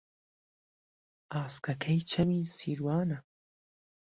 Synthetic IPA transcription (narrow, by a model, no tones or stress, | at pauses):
aːskakʰajt͡ʃamisiɾwaːna